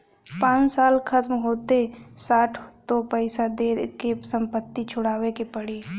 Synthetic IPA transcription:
pãːsaːlkʰət̪mɦoːt̪esaːʈʰt̪opəɪsad̪eːɾkesə̃mpət̪ːit͡ʃʰʊɽaːwekepəɽiː

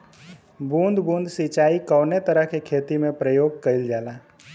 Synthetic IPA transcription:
bũnd̪ʱbũnd̪ʱsit͡ʃaːikəwnet̪əɾəɦkekʰeːt̪imẽpɾəjoːɡ̚kəild͡ʒaːla

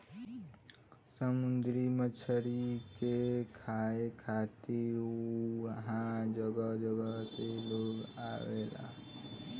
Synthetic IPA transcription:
səmʊnd̪ɾimət͡ʃʰəɾikekʰaekʰat̪iuɦãd͡ʒəɡəd͡ʒəɡəɦseloːɡa̰ʋela̰

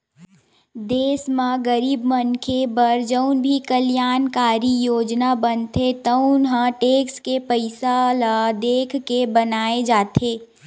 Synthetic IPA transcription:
d̪eːsmãɡəɾiːbmənkʰebəɾd͡ʒəʊnbʱikəljaːnkaːɾijoːd͡ʒnabənt̪ʰet̪əʊnɦãʈeːkskepəɪsalad̪eːkʰkebənaːed͡ʒaːt̪ʰeː

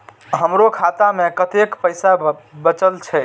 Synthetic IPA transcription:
ɦəmɾokʰat̪amekət̪ekpəjsabət͡ʃəlt͡ʃʰɛ

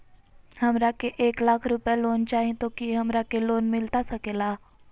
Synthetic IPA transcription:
hɐmɾakeʔeːklaːkʰɾʊpjaloːnt͡ʃaːɦĩt̪okiɦɐmɾakeloːnmɪlt̪asɐkeːlaː

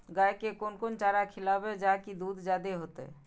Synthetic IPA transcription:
ɡaekekonkont͡ʃaɾakʰɪlabed͡ʒakid̪ud̪d͡ʒad̪eɦot̪ḛ

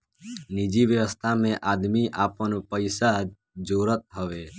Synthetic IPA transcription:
nid͡ʒiʋjəʋəst̪ʰamẽʔaːd̪miʔaːpənpəɪsa | d͡ʒoːɾət̪̚ɦəʋeː

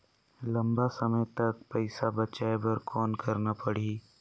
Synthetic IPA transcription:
lɐ̃mbasɐməjt̪ɐk̚pɐɪsabɐt͡ʃaebɐɾkʰɔːnkɐɾnapɐɽ̤iː

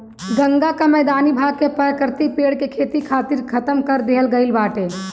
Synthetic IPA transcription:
ɡəŋɡakamɛːd̪aːnibʱaːɡ̚kepəɾəkəɾt̪ipeɽkekʰeːt̪ikʰaːt̪iɾkʰət̪əmkəɾd̪eɦəlɡəɪlbaːʈe

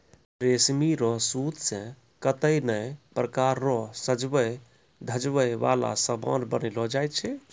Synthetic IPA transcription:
pɾesmiɾɔɦsut̪sẽ | kət̪əinəjpɾəkaɾːɔɦsəd͡ʒbəj | d̪ʱəd͡ʒʋəjʋa̰la̰səbʱə̰̃ɾbənilɔd͡ʒajt̪̚t͡ʃʰɛ

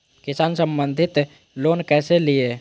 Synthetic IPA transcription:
kisansəmbənd̪ʱit̪ | lonkɛselije

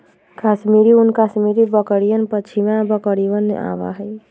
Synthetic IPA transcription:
kasmiɾiunkasmiɾibəkəɾijənpət͡ʃʰimabəkəɾiʋəna̰ba̰ɦəj

